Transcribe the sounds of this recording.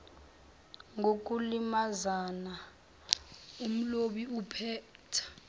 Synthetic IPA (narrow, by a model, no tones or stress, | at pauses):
ŋʱok̬ʼulimazana | um̩loɓiupʰɛːtʰḁ